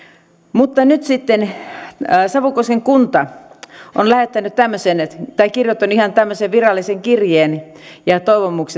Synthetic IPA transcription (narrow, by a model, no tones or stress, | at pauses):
mut̪ːɑnyt̪sit̪ːen | sɑʋukoseŋkunt̪ɑ | onlæhet̪ːænyt̪t̪æmːøsent̪ɑikirjot̪ːɑnˑuihɑnt̪æmːøseʋʋirɑlːiseŋkirjeːn | jɑt̪oiʋomukse